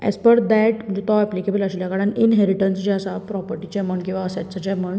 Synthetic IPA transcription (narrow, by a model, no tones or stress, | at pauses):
ɛ̰spəɽd̪ɛʈd͡ʑut̪ɔɛplikebələɕljakaɽaninɦeɾiʈənsd͡ʑeəsapɾɔpəɾʈit͡ɕaməɳkĩw̃ʋaəsaʈt͡sat͡ɕaməɳ